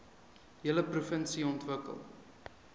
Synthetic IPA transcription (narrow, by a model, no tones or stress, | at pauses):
ɦiələprufənsiɔntvəkə̰lˠ